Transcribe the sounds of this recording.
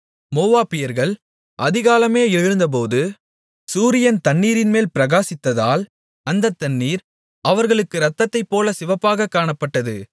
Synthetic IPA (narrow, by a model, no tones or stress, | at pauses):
moːʋaːpɪjɐɾɣɐɭ | ʔɐðɪɣaːlɐmeːɪɻɾɯnd̪ɐp̬oːðɯ | suːɾɪjɐnt̪ɐɳːiːɾɪnmeːlpɪɾɐɣaːsɪt̪ːɐðaːl | ɐnd̪ɐt̪ːɐɳːiːɾ | ɐʋɐɾɣɐɭɯkːɯɾɐt̪ːɐt̪ːɐɪpːoːlɐsɪʋɐpːaːɣɐkːaːɳɐpːɐʈːɐðɯ